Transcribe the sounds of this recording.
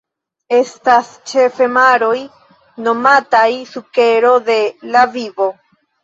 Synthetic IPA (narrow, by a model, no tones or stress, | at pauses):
e̞stast͡ʃe̞fe̞maɾoj | no̞matajsuke̞ɾo̞d̪e̞lavivo̞